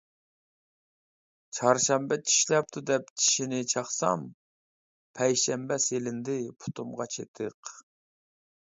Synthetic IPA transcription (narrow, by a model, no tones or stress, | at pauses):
t͡ʃʰɑɾʃɛmbɛt͡ʃʰi̥ʃlɛp̚t̪ʰud̪ɛp̚t͡ʃʰi̥ʃinɪt͡ʃʰɑχsɑ̰m | pʰɛjʃɛmbɛselɪnd̪ɪpʰu̥t̪ʰumʁɑt͡ʃʰḛt̪ʰɨq